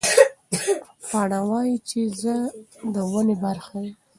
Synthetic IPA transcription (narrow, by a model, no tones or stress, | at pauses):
pɑɽawɑjit͡ʃezəd̪əwənebaɾxaji